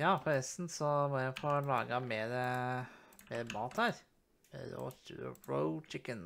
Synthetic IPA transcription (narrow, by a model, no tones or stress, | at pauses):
jɑːpʰɔɾɛst̪nsɔmɔjæɪfʰɔlɑːɡəmeːɾə | meːɾmɑːt̪hæːɾ | ɛ̰ɾo̰ːt̪ʰʉ̰ə̰ɹo̰ʊt͡ʃɪkən